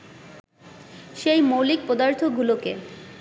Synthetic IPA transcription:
ʃejmowlik̚pɔd̪aɾt̪ʰoɡuloke

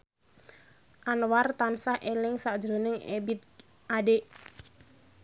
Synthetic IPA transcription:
ʔanwart̪ansahʔelɪŋsad̥d͡ʒɾonɪŋḛbit̪̚ | adeʔ

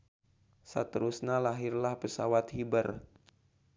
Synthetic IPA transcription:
sa̰t̪əɾusnalaɦirlahpəsawat̪̚hibər

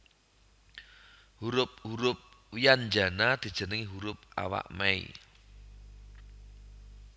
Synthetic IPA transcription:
huɾʊp̚huɾʊp̚wijand͡ʒa̤nad̪̥i̤d̥ʒ̥ə̤nəŋiɦuɾʊp̚a̰wa̰ʔmɛḭ

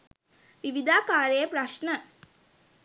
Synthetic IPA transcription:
ʋiʋid̪aːkaːɾəjəpɾaʃnə

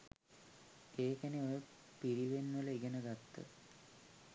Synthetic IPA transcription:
eːkæneojə | piɾiʋenʋələiɡenəɡat̪ːə̰

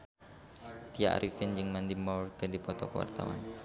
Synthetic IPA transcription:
t̪ija̰ʔɾifɪnd͡ʒɨŋmand̪imɔrɡədipɔt̪ɔkəwa̰rt̪a̰wa̰n

